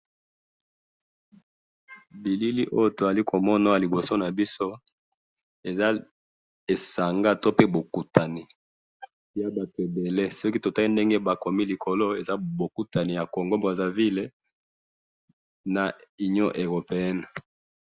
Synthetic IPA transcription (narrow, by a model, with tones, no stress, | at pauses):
bi˨li˦li˦ʔo˦jo˦to˨a˨li˦ko˨mɔ˦na˦a˨li˨bo˨so˦na˨bi˦so˦ | e˨za˦ | e˨sa˨ŋɡa˦to˦pe˦bo˨ku˨ta˨ni˨ | ja˦ba˨te˨be˨le˦sɔ˦ki˦to˨ta˦i˦nde˦ŋɡe˦ba˨ko˨mi˦li˨kʰo˨lo˦e˨za˦bo˨ku˦ta˨ni˨ja˨ko˨ŋɡo˦mbe˨za˦vi˦le˦ | na˨i˨ɲo˦ʔe˨ʁo˨pe˨ɛ˦n˨